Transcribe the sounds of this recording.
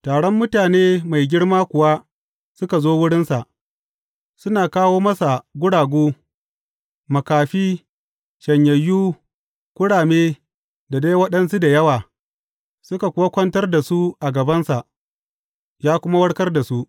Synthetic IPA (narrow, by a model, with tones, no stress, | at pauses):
taː˨ɽɔ˦mːʊ˦taː˨neː˦ma˨jɡʲɪ˦ɽmaː˦kʷʊ˨wa˦ | sʊ˦ka˨zoː˦wʊ˦ɽɪ˦nsa˨ʔ | sʊ˦naː˨kaː˦woː˦mɐ˦sa˨ɡʷʊ˦ɽaː˨ɡʷoː˦ | mɐ˨kaː˨ɸiː˦ | ʃɐ˨ɲjɐ˨jːuː˦ | kʷʊ˦ɽaː˨meː˦ | da˨da˦jwɐ˦ɗɐ˦ns̬u˦da˨jɐ˦waː˨ | sʊ˦ka˨kʷʊ˦wa˦kʷɐ˦ntɐ˦rda˨su˦ʔa˨ɡɐ˨bɐ˦nsa˨ʔ | jaː˦kʷʊ˦ma˦wɐ˦ɽkɐ˦rda˨su˦ʔ